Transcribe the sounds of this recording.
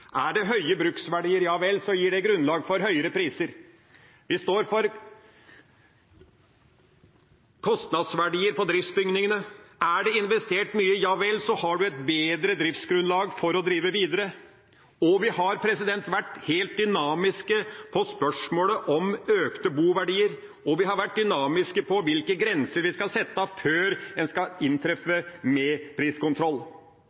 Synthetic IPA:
ʔæɖɛɦœʏəbɾʉksʋæɖiːəɾjɑːʋɛlːsɔjiːɖɛɡɾʉnlɑːɡfɔɾɦœʏəɾəpɾiːsəɾ | ʋɪst̪oːɾfɔɾ | kʰɔst̪nɑd̪sʋæɖiːəɾpɔd̪ɾɪft̪sbʏŋnɪŋənəæɖɛɪnʋɛst̪eːʈmyːəjɑːʋɛlːsɔhɑɖʉɛt̪̚beːd̪ɾəd̪ɾɪft̪sɡɾʉnlɑːɡfɔɾɔd̪ɾiːʋəʋiːd̪əɾə | ɔʋɪɦɑɾpʰɾɛsɪd̪ɛnt̪ʋæʈːheːlt̪̚d̪ʏnɑːmɪskəpʰɔspœʂmoːləʔɔmøːkt̪əbuːʋæɖiːəɾ | ɔʋɪɦɑɾʋæʈ̚d̪ʏnɑːmɪskəpʰɔʋɪlkəɡɾɛnsəɾʋɪskɑsɛt̪ːəføːɾɛnskɑɪnt̪ʰɾɛfəmɛpʰɾiːskʊnt̪ʰɾɔlː

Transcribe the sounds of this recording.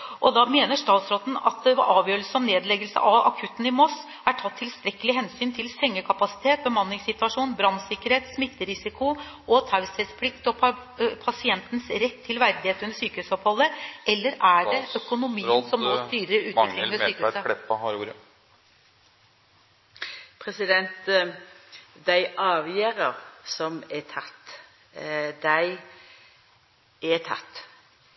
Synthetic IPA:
ʔɔd̪ɑmeːnəʂt̪ɑːt̪sɾɔt̪n̩ɑ̰t̪̚d̪ɛʔɑːʋjøːɾəls̩ɑʋneːd̪lɛɡəlsə̰ʔɑʋɑ̰kʰʉt̪ːn̩ɪmɔs | æʈʰɑt̪ʰːɪlst̪ɾɛkːəlɪɦɛnsyːnt̪ʰɪlsɛŋːəkʰɑpɑsɪ̥t̪ʰeːt̪̚bəmɑnlɪŋsɪt̪ʉɑʂuːnbɾɑnːsɪkːəɾheːt̪smɪt̪ːəɾɪsɪkʰʊʔɔt̪ʰaʉsɛspʰlɪkt̪ɔpʰɑsɪɛnt̪nsɾɛt̪ʰːɪlʋæɾd̪ɪheːt̪ʉndəsyːkəʉːsɔphɔlːəɛlːəɾæɖɛʔœkʊnʊmiːənsɔmmɔst̪yːɾəʉːt̪kɾɪəsyːəsəɛ | pʰɾɛsɪd̪ɛnt̪ | d̪æɪʔɑːʋjeːɾəɾsɔmɛt̪ʰɑt̪ː | d̪æɪ | ɛt̪ʰɑ̰t̪ː

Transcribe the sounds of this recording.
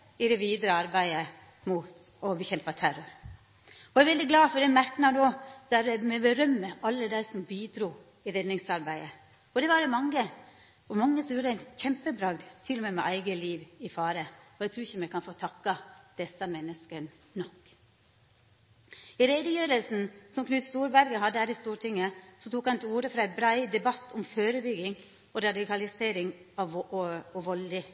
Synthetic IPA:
ɪd̪ɛʋiːd̪ɾəɑɾbæɪə | mʊt̪ | ɔbəçɛmpɑt̪ʰæɾɔɾ | ɔæɾʋɛld̪ɪɡlɑːfɔɖ̪ɛmæɾknɑd̪oːd̪̥æɾɛmɛbəɾœmːəʔɑlːəd̪æɪsɔmbiːd̪ɾuː | ɪɾɛd̪nɪŋsɑɾbæɪə | ɔd̪ɛʋɑɖɛmɑŋːə | ɔmɑŋːəsɔmjuːɾəd̪æɪnçɛmpəbɾɑːɡ̪t̪ʰɪlːɔmɛmɛʔæɪɡəliːʋɪfɑːɾəɔæɛɡt̪ʰɾʉːɪçəmɛkʰɑnfoːt̪ʰɑkːɑd̪̥ɛsɑmɛnːəskən | nɔkː | ɪɾeːd̪əjøːɾəlsn̩sɔmkʰnʉːt̪st̪uːɾbæɾɡəɦɑd̪ːəhæːɾɪst̪uːɾʈʰɪŋːəsɔt̪ʰuːkhɑnt̪ʰɪuːɾəfɾɑæɪbɾæɪd̪ɛbɑt̪ːɔmføːɾəbʏɡɪŋ | ɔɾɑd̪ɪkʰɑlɪseːɾɪŋɑʋɔʋɔlɪ

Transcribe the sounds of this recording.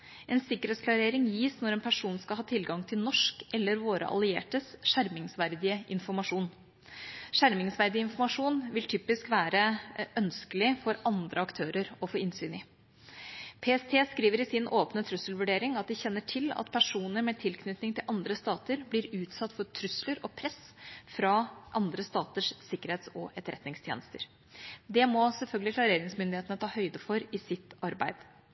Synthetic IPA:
ɛnsɪkːəɾeːt̪sklɑɾeːɾɪŋjiːsnɔɾɛːnpʰæʂuːnskɑlhɑːt̪ʰɪlɡɑŋt̪ʰɪlnɔʂkɛlːəɾʋoːɾə̰ʔɑ̰lɪḛːʈəsʂæɾmɪŋsʋæɾd̪ɪəʔɪnfɔɾmɑʂuːn | ʂæɾmɪŋsʋæɾd̪ɪəɪnfɔɾmɑʂuːnʋɪlt̪ʰyːpɪskʋæːɾəœnskəlɪfɔɾɑnd̪ɾəɑkt̪ʰøːɾəɾɔfɔɾɪnsyːnɪ | pʰeːɛst̪ʰeːskɾiːʋəɾɪsɪnʔoːpnət̪ʰɾʉsəlʋʉɖeːɾɪŋɑt̪̚d̪ɪçɛnːəʈʰɪlɑ̰t̪pʰæʂuːnəɾmɛt̪ʰɪlkʰnʏt̪nɪŋt̪ʰɪlʔɑnd̪ɾəst̪ɑːt̪əɾblɪɾʉːt̪sɑt̪ːfɔɾt̪ʰɾʉsləɾɔpʰɾɛsfɾɑʔɑnd̪ɾəst̪ɑːt̪əʂsɪkːəɾheːt̪sɔɛt̪əɾɛt̪nɪŋst̪ʰjḛːnəst̪əɾ | d̪ɛmɔsɛlfœlɡəlɪklɑɾeːɾɪŋsmʏnd̪ɪheːt̪ənət̪ʰɑːhœʏd̪əfɔɾɪsɪt̪ːɑɾbæ̰ɪd̪̥

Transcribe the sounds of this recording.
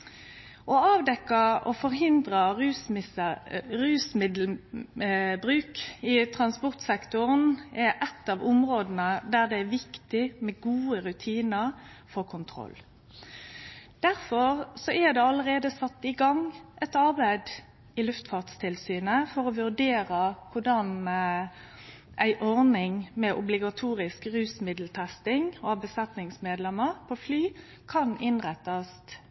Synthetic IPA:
ʔɔɑːʋd̪ɛkːɑʔɔfɔɾhɪnd̪ʁəʁʉːsɪ | ɾʉːsmɪd̪l | bɾʉːkɪt̪ʰɾɑnspɔʁt̪sɛkt̪ʊʁənɛɾʔɛt̪ːɑːʋʊmɾoːd̪n̩əd̪æd̪ɛæʋɪkt̪ɪmɛɡuːəɾʉt̪ʰiːnəʁ | fɔʁkʰʊnt̪ʰɾɔ̰lː | d̪̥æɾfɔɾsɔʔæd̪ɛɑlːəɾeːd̪əsɑt̪ːɪɡɑŋʔɛt̪ɑɾbæɪd̪ | ɪlʉft̪fɑʁt̪st̪ʰɪlsyːnəfɔɾɔʋʉɾd̪eːɾəkʰʊɖɑn | ʔæɪʔɔʁnɪŋmɛʔʊblɪɡɑt̪ʰuːɾɪskɾʉːsmɪd̪lt̪ʰæst̪ɪŋobəsɛt̪nɪŋsmeːd̪lɛməɾpʰoflyː | kʰɑnɪnʁɛt̪ːɑst̪

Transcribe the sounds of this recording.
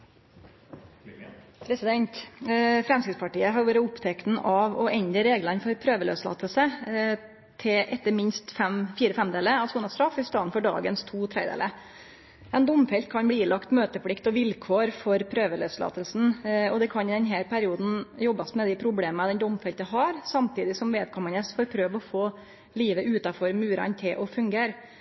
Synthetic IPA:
pʰɾɛsɪd̪ɛnt̪fɾɛmskɾɪt̪spʰɑʈiːəɦɑɾʋuːɾəʊpt̪ʰɛk̪n̩ʔɑʋɔʔɛnd̪ɾəɾeːɡlənfɔɾpʰɾøːʋəlø̰ːslɑ̰ːt̪əlsə | t̪ʰɪʔɛt̪ːəɾmɪnst̪fɛmfiːɾəfɛmd̪eːləɑsuːnɑst̪ɾɑfɪst̪ɑːnfɔɖɑ̰ːɡənst̪ʰuːt̪ʰɾḛɪd̪ḛːlə | ɛnd̪ʊmfɛlt̪̚kʰɑnbliːlɑkt̪møːt̪əpɽɪkt̪ɔʋɪlkʰoːɾfɔɾpʰɾøːʋəlø̰ːslɑ̰ːt̪əlsn̩ɔd̪ɛkʰɑnɪd̪ɛnɦæːɾpʰæɾɪuːd̪n̩jɔbːɑsmɛd̪ɪpʰɾʊbleːməɑd̪ɛnd̪ʊmfɛlt̪əɦɑɾsɑmt̪ʰiːd̪ɪsɔmʋeːd̪̚kʰɔmːənəsfɔɾpʰɾøːʋɔfoː | liːʋəʔʉːt̪ɑfɔɾmʉːɾɑ̰nt̪ʰɪlʔɔfʉŋɡeːɾ

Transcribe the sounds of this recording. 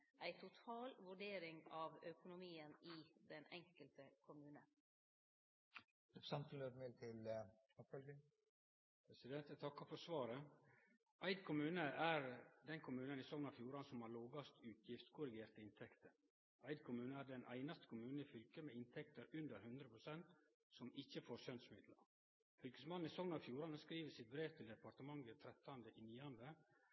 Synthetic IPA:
ʔæɪt̪ʰʊt̪ʰɑːlʋʉɖeːɾɪŋɑʋœkʊnʊmiːənɪd̪ɛnɛŋkəlt̪əkʰʊmʉːnən | sɑnt̪n̩løːt̪meːt̪ʰɪl | ɔpfœlɡɪŋ | pʰɾɛsɪd̪ɛnt̪æt̪ʰɑkːɑfɔsʋɑːɾə | ʔæɪd̪kʰʊmʉːnəʔæɾd̪ɛnkʰʊmʉːnənɪsɔŋnɑfjuːɾɑnsɔmhɑɾloːɡɑst̪ʉːt̪ʰjɪft̪kʰʊɾɪɡeːɾt̪əɪnt̪ʰɛkt̪əɾ | æɪd̪kʰʊmʉːnəæɖɛnʔæ̰ɪnɑst̪ə̥kʰʊmʉːnɪfʏlkəmeɪnt̪ʰɛkt̪əɾʉnd̪əɾhʉnd̪ɾəpʰɾʊsɛnt̪ | sɔmɪçːəfoːɾsœnsmɪd̪lə̰ɾ | fʏlkəsmɑnn̩ɪsɔŋənɑfjuːɾɑnskɾiːʋəsɪt̪̚bɾeːʋt̪ʰɪld̪ɛpɑɾt̪əmɑŋɡət̪ʰɾɛt̪ːɑnd̪əʔɪniːɑnd̪ə

